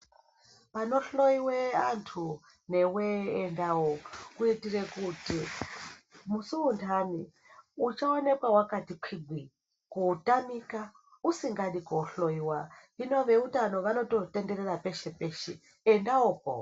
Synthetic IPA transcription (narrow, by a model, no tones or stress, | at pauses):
pano̞ɬo̞iweantʰu | ne̞weːndawokuitirekuti | musuuntʰani | ut͡ʃaone̞kwawakatikʰwiɡʱwi | kutamika | usiŋɡaɗikoɬo̞iwaino̞ʋe̞utano̞ʋano̞to̞te̞ndererape̞ʃepeʃeː | ndaoko̰